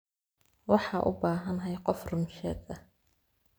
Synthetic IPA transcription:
wɑħɑːʔʊ̰baːɦɐnɦɛjqɔfrʊmʃɛːɡɐ

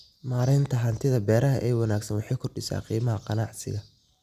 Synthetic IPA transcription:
maːɾɪnt̪ʰɐɦɐnt̪ʰɪðɐbɛːɾɐɦɐʔɛːwɑnaːɡsɐnwɑħɑjkʰʊrɖɪsa̰ːqiːmɐɦɐqɑnɑʕsɪ̰ɣɐ

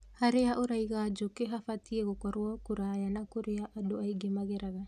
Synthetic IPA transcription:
haɾeaʔoɾajɡaːd͡ʒokeɦafatʰiaɡokaɾoakuɾajanakoɾeaʔadoʔajɡemaɡeɾaɡa

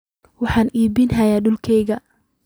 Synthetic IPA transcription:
wɑħɑːnʔiːbɪnɦɐjaːɖʊlkʰɛjɣɐ

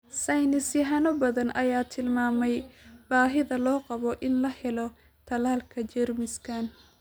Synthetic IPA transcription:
sɐjnɪsjɐɦɐnɔbɐðɐnʔɐjaːt̪ʰɪlmaːmɛjbaːɦɪðɐlɔːqɑβɔʔɪnlɐhɛlɔ | t̪ʰɐlaːlkʰɐt͡ʃɛrmɪskʰaːn

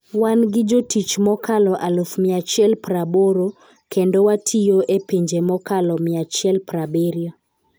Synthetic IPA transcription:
wanɡɪd͡ʒotit͡ʃmɔkalɔʔalofmɪat͡ʃjɛlpɾaboɾo | kendowatʰijoʔepeɲd͡ʒemɔkalɔmɪat͡ʃɪɛlpɾabeɾjɔ

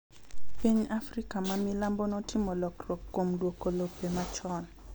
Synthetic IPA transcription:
piɲafrikamamɪlambonɔtʰɪmolɔkrɔkːomdwokolopemat͡ʃɔn

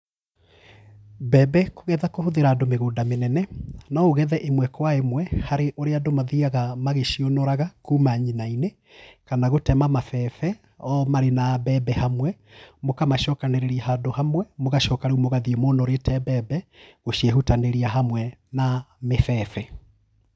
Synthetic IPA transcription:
bɛbɛkoɣɛðakohoðeɾaːdomeɣodamenɛnɛnaoɣɛðɛʔemwɛkwaemwɛhaɾeʔoɾeadomaðiaɣamaɣeʃionoɾaɣakumaɲinaine | kanaɣotɛmamafɛfɛ | ɔmaɾenabɛbɛhamwɛ | mokamaʃɔkaneɾeɾiaɦadohamwɛmoɣaʃɔkaɾumoɣaðiɛmonɔɾetɛbɛbɛɣoɕiɛɦutaneɾiaɦamwɛnamefɛːfɛ

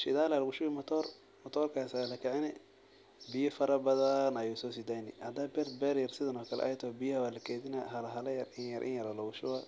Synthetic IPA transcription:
ʃɪðaːlalɐɣʊʃʊwɪmɔt̪ʰɔːr | mɔt̪ʰɔːrkʰaːsalɐkʰɛʕɪnɛ | bɪjɐfɐɾɐbɐðɐnɐjusɔːsɪd̪ajnɪ̰hɐd̪abɛrd̪bɛːɾjɐrsɪðɐnɔːkʰɐlɛ̰ʔɐ̰jt̪ʰɔːbɪjɐhɐwaːlɐkʰɛːdɪnaɦɐlɐɦɐlɐjɐrɪnjɐɾʔɪ̰njɐɾɐlɐɣʊʃʊɐ

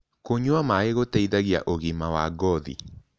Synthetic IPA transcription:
koɲuamaeɣotɛiðaɣia̰ʔoɣimawaɡɔðḭ

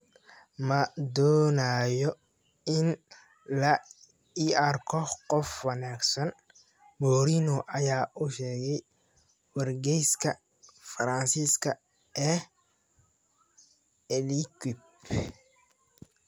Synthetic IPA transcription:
mɐd̪ɔːnaːjɔ | ɪn | lɐ | iɐrkʰɔqɔfwɐnaːɡsɐn | mɔːɾinɔʔɐjaːʔʊʃɛːɣɛj | wɐrɡɛjskʰɐ | fɾɐnsiskʰɐ | ʔɛː | ɛlikwib

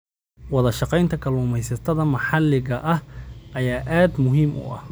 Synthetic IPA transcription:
wɑðɐʃɑqɛjnt̪ʰɐkʰɐlʊːmɛjsɐt̪ʰɐðɐmɑħɑlɪɣɐʔɐhʔɐjaːʔaːd̪mʊɦiːmʔʊ̰ʔɐ̰h

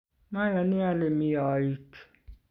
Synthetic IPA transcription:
mæjɑniælemiɑit̪

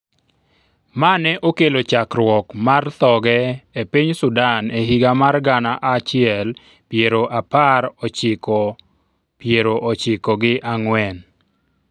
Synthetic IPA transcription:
manɛʔokelot͡ʃakɾwɔkmart̪ɔɡɛepiɲsʊdaneɦiɡamarɡanaʔat͡ʃɪɛl | pjeɾoʔapaɾɔt͡ʃɪkɔ | pjeɾoʔot͡ʃɪkɔɡɪʔaŋwɛn

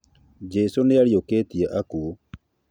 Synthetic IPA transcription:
d͡ʒɛsoneaɾiokeːtieʔakuo

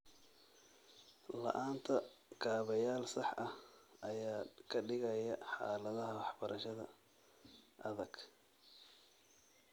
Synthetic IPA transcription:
lɐ̰ʔaːnt̪ʰɐɡʰaːβɐjaːlsɑħɐhʔɐjaːkʰɐɖɪɣɐjɐħɑ̰ːlɐðɐɦɐwɑħbɐɾʔɐʃɐðɐ̰ | ʔɐðɐɡ

